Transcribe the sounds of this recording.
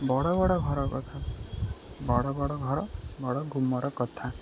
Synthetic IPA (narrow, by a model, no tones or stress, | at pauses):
bɔɽɔbɔɽɔɡʱɔɾɔkɔt̪ʰa | bɔɽɔbɔɽɔɡʱɔɾɔbɔɽɔɡʱumɔɾɔkɔt̪ʰa